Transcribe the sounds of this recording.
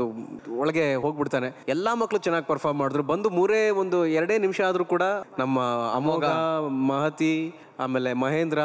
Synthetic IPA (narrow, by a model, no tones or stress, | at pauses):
uɔɭɐɡe̞ɦoːɡbiɽt̪aːneɛlːamɐkːɐɭut͡ʃɛnːaːɡipɐɾpʰaːɾmːaːɽud̪ɾubɐnd̪umuːɾeːond̪uɛɾɐɽeːnimʂɐaːd̪ɐɾuːkuːɽɐnɐmːɐɐ̰moːɡɐɐmaːɦɐt̪i | a̰ːmeːle̞mɐɦeːnd̪ɾɐ